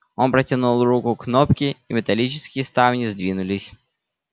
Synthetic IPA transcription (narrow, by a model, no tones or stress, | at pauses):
o̞npɾətʲɪnulˠrukʊknopkʲɪimʲɪt̪ɐlʲit͡ɕɪ̥skʲɪjəst̪avnʲɪzd̪vʲinʊlʲɪsʲ